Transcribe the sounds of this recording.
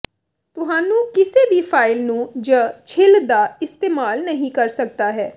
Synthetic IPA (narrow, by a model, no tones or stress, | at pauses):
t̪ʊɦãːnũːkɪsebʱipʰaːɪlnũd͡ʒət͡ʃʰɪld̪aɪst̪eːmaːlnəɦĩkɐɾsɐk̚t̪aɦɛː